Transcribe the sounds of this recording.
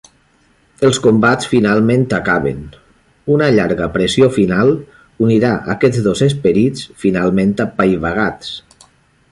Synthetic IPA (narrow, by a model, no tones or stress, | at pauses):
əlˠskombat͡sfinalˠmẽnt̪akaβḛn | unəʎaɾɣəpɾesiofinalˠ | uniɾaʔa̰kɛd͡zðozespəɾit͡sfinalˠmẽnt̪apajβaɣ̞at͡s